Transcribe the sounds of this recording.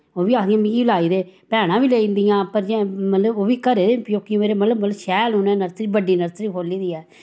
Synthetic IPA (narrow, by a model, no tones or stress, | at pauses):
oːʋiːaːknijãːmĩkiːlaːiːd̪eːpɛːnãːʋiːleːĩnd̪ijãːpəɾd͡ʒɛ̃mət̪ləboːʋiːkəɾeːɾepjoːkijũmeːɾeːmət̪ləbmət̪ləbʃɛːlʊnɛ̃ːnəɾsɾiːbəɖiːnəɾsɾiːpʰoːliːd̪iːɛː